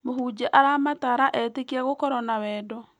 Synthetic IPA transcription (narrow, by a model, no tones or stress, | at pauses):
mohud͡ʒɛʔaɾamataɾaʔɛtekiaɣokɔɾɔnawɛːdɔ